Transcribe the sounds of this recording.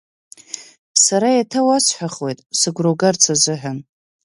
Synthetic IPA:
saɾajatʰawasʰħʷᶣaχwe̞jtʼsɨɡʷroɡart͡sʰazɨħan

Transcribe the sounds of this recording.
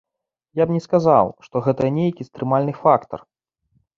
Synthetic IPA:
jabnʲɛskaza̰wʂt̪ɔɣɛt̪ɐnʲejkʲist̪ɾɨmalʲnɨfakt̪ɐ̰r

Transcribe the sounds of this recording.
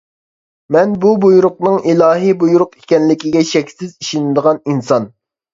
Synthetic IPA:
mɛnbubujuɾʊq̚nɨŋilˠɑːɦibujuɾʊqi̥kʲɛnlɪkʲiɡʲɛʃɛkʲsɪziʃinɪd̪əʁɑninsɑn

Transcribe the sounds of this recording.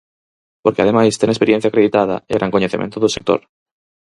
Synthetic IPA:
poɾkeað̞emajst̪eŋespeɾjen̟θjakɾeðit̪að̞a̰eɣɾʔaŋkoɲeθimḛ̃nt̪oðosek̚t̪o̰ɾ

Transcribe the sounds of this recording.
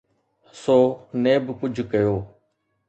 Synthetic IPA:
soːnẽːbkʊd͡ʒʱkəjoː

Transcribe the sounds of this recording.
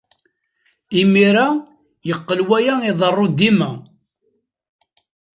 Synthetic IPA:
imiɾa | jəqːəlwæjæiðˤərˤːod̪ːimæ

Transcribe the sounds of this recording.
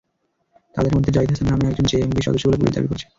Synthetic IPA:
t̪a̰d̪eɾmod̪ʱːed͡ʑait̪ʰasenamiɛkd͡ʑont͡ɕeembiʃɔ̰d̪oʃːobolepṵɾḭd̪a̰bḭko̰ɾt͡ɕʰi̥

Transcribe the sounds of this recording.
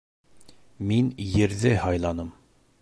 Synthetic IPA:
minjɘ̆ɾðɘhɑjlˠɑnɤm

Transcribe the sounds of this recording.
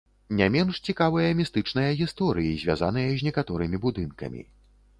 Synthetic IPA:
nʲamʲɛnʂt͡sʲikavɨjɐmʲist̪ɨt͡ʂnɐjɐɣʲist̪ɔɾɨjizʲvʲa̰zanɨjɐzʲnʲɛkat̪ɔɾɨmʲibud̪ɨnkɐ̰mʲḭ

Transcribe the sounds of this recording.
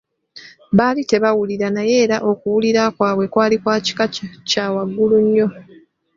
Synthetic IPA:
βaːlite̞βawuliɾanaje̞ːɾaʔo̞kuwuliɾakwaːβwe̞kwaːlikwaːci̥kacaːwaɡːuluɲːo̞

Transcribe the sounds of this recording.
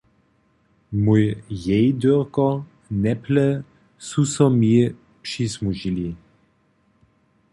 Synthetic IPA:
mujjɛjd̪øʁkɔ | nɛplɛ | susɔmi | pʂismuʒili

